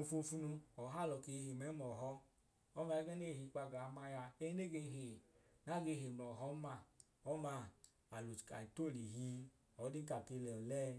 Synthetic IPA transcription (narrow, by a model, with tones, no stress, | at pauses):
o˨˧fu˧fu˦nu˧ɔ˨ɦa˦˨lɔ˨ke˧hi˨mɛ˨˦mɔ˨ɦɔ˦ | ɔ˦ma˧ɛ˦ɡɛ˦ne˦˨hi˧˦k͡pa˧˨ɡa˨˦ma˧ja˧e˦i˦ne˦˨ɡe˧˨ɦe˨na˦˨ɡe˧˨ɦe˨m˨lɔ˨ɦɔ˦ma˧˨ | ɔ˦ma˧˦ | a˨lu˨ka̰˨i˨to˦˨li˨ɦi˧˦ | ɔ˨˦di˦ka˨ke˧lɛ˨lɛ˦